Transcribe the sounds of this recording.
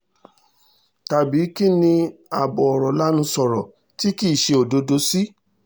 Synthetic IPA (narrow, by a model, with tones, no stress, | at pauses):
ta˨bi˨˦ki˦˨nĩ˧a˨bɔ˨ɔ˨ɾɔ˨la˦nũ˧sɔ˨ɾɔ˨ | ti˦ki˦˨ʃe˧o˨do˧do˧˦si˦